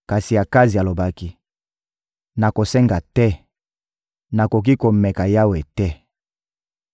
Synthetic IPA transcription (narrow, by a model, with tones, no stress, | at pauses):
ka˨si˨ja˨ka˦zi˨a˨lo˨ba˦ki˦ | na˨ko˨sɛ˦ŋɡa˨tɛ˦ | na˨ko˨k̬i˦ko˨mɛ˨ka˨ja˦we˨tɛ˦